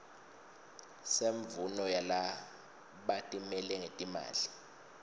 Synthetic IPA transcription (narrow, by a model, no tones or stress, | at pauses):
seɱvunɔjala | ɓatʼimɛlɛŋetʼima̰ːli